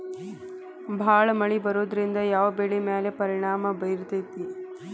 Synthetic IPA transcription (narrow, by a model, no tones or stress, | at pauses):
bʱaːɭɐmɐɭibɐɾuːd̪ɐɾind̪ɐjaːʋɐbeːɭimeːlepɐɾiɳaːmɐbɐjɾt̪ɐt̪i